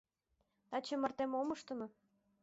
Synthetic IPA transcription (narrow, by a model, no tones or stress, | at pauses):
t̪ɑt͡ɕĕmɑrt̪emomɤ̆ʃt̪ɤ̆mɤ̆